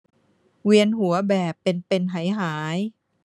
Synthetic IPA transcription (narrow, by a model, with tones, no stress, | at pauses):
wi˧ənɦu˩˦ɐbɛː˨˩pːe˧npe˧nɦa˩˦jɦaː˩˦j